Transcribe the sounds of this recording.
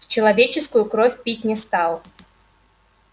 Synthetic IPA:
t͡ɕɪlˠɐvʲet͡ɕɪskʊjʊkɾofʲpʲitʲnʲɪst̪alˠ

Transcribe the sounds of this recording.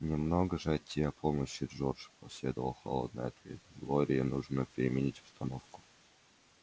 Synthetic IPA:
nʲɪmnoɡəʐɨɐt̪ʲːiɐpʰoməɕːɪʐorʐpɐsʲlʲed̪əvə̰lˠxɐ̰lˠo̰d̪nɨ̰jɐt̪vʲe̞̰t̪ɡloɾʲɪjənuʐnəpʲɪɾʲɪmʲɪnʲitʲʊ̥st̪ɐnofkʊ̥

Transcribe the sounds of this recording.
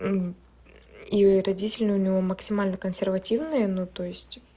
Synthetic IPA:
iɾɐdʲitʲɪlʲnɨʊnʲɪvo̞məksʲɪmalʲnəkənsʲɪrvɐtʲivnɨjənut̪ojɪsʲtʲ

